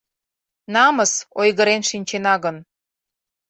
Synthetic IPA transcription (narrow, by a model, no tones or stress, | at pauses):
nɑməsojɣəɾenʃinʲt͡ɕenɑɣən